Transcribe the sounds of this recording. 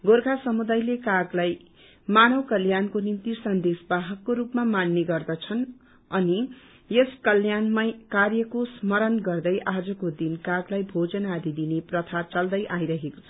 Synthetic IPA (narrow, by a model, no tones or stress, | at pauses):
ɡorɡʱasʌmud̪ajlekaɡlaj | manʌwkʌljankonimt̪isʌnd̪esbaɦʌkːoɾupmamanːeɡʌrd̪ʌt͡sʰʌn | ʌni | jeskʌljanmakarjʌkosmʌɾʌnɡʌrd̪ʌjʔad͡zʌkod̪inkaɡlajbʱod͡zʌnad̪id̪ineprʌt̪ʰat͡sʌld̪ʌjʔaiɾʌɦeko̥t͡sʰʌ̥